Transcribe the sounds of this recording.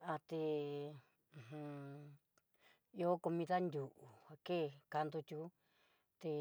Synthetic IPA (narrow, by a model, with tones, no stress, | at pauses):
a˧t̪e˧˨ | hũ˧ | jo˦ku˧mĩ˧t̪a˦nd̪ʲu˨ʔu˨ha˧ke˦˨ka˧nd̪u˧t̪ʲu˧˦ | t̪e˧